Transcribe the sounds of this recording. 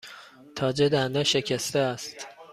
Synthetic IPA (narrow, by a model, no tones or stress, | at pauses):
t̪ʰɒːd͡ʒed̪ænd̪æʃecʰæst̪eæst̪